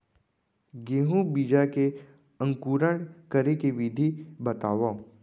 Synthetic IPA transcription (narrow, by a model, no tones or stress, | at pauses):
ɡeːɦũbid͡ʒake | ə̃ŋkuːɾəɳ̃kəɾekeʋɪd̪ʱibət̪aːʋa